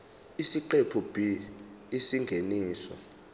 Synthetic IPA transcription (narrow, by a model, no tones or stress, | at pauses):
isiǃepʰub̥ʱi | isiŋɡʱeniːsɔ̰